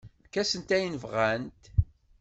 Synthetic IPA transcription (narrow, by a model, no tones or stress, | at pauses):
kːæsənt̪æjnəvʁænt̪